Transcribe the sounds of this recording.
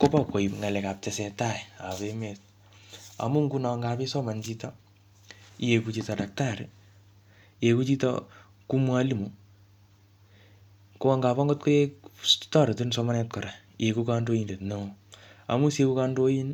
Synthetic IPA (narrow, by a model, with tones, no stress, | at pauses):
ko˦pɔ˨ko˨i˨pŋa˨le˨ka˨p̚tesɛ˨taa˨βemet | a̰˨mu˦ŋɡu˦na˨ŋɡapi˦sɔ˦ma˨nt͡ʃitɔ˦ | je˨kut͡ʃi˧tada˨k̚taɾe | je˨ku˦t͡ʃitɔ̰ | ku˦mwa˦li˦mu | ko˦wa˦ŋɡa˨pɔ˦ŋɡo˦t̚ko˦e˦stɔ˦ɾe˨tunsɔma˦nɛt̚kɔɾa˨ | je˨kuka˦ndo˦inde˨tnoa̰˨mu˦se˦ku˦kando˦ji˦n